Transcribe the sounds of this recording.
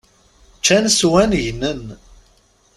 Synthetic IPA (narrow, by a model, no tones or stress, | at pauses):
t͡ʃːænswænʝnːən